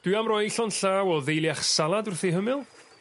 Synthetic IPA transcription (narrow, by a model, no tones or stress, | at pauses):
d̥wɨamrɔjɬɔnɬaːwɔðejlˠjaχsalˠadʊrθiɦəmɪlˠ